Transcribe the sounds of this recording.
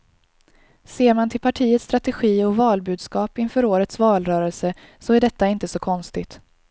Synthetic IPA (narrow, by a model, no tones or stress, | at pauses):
seːɾmant̪ʰɪlpʰaʈʰiːət̪st̪ɾat̪ɛɧiːɔvɑːlbʉ̟ːd̪skɑːpɪnfœːɾoːɾət̪svɑːlɾœːɾɛlsə | sɔæɖɛt̪ːaɪnt̪əsɔkʰɔnst̪ɪt̪